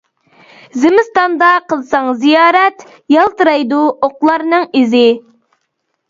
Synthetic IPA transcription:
zɪmɪst̪ɑnd̪ɑqʰəlˠsɑŋzijɑːɾɛt̪ | jɑlˠt̪ɨɾɑjd̪uoqlˠɑɾnɨŋizɪ

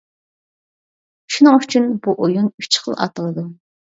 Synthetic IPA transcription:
ʃunɨŋyt͡ʃʰynbuʔojunyt͡ʃʰχə̰lˠɑ̰t̪ʰəlˠɨd̪u

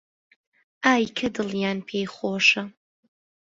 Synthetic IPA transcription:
aːjkʰɐdɨljaːnpʰeːjχʷoːʂɐ

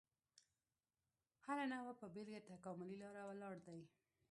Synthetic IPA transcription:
haɾanawapəbelɡat̪akɑmʊlilɑɾawalɑɽd̪aj

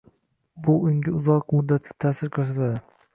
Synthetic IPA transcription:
bʊʊŋʲɪʊzɒqmʊd̪ːat̪ʰlʲɪ̥t̪ʰaːsɪɾkʰoɾs̬at̪ad̪ɪ

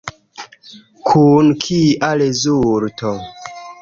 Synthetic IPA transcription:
kʰunkʰiʔalezuɾtʰɔ

